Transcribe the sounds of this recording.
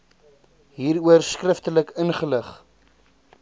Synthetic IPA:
ɦiːruərskrəftələkənχələχ

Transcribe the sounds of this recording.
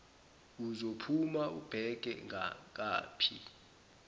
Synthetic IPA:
uzopʰumaʔub̥ʱɛk̬ʼɛ̰ŋʱak̬a̰ːpʰi

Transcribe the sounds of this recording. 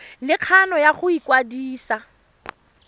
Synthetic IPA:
lɪq͡χʰanɔjaχʊikwadiːsa

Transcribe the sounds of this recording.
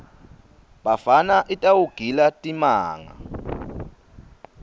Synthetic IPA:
ɓafanaʔitʼawuɡ̥ʱilatʼimaːŋa̰

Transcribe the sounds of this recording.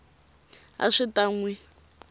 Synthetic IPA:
a̰ʂitaŋwi

